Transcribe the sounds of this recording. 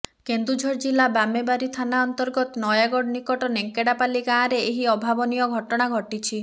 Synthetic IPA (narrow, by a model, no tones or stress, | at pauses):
kend̪ɾud͡ʒʱɔɾd͡ʒilabamebaɾit̪ʰanaɔnt̪ɔɾɡɔt̪ɔnɔjaɡɔɽnikɔʈɔneŋkeɽapalikãɾeeɦiɔbʱabɔnijɔɡʱɔʈɔɽ̃aɡʱɔʈit͡ʃʰi